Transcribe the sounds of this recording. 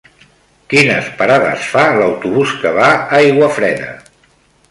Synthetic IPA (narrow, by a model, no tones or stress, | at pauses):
kinə̰spəɾaðə̰sfaləwt̪uβuskəβaajɣwəfɾɛðə̰